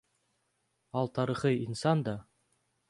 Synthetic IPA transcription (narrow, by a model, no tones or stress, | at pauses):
ɑlˠt̪ɑɾɤ̆χɤinsɑnd̪ɑ